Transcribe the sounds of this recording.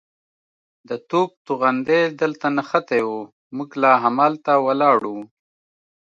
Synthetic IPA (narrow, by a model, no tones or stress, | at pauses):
d̪ət̪ob̚t̪uɣand̪ed̪əlt̪anaxat̪ewo | muɡlɑɦamɑlt̪awalɑɽu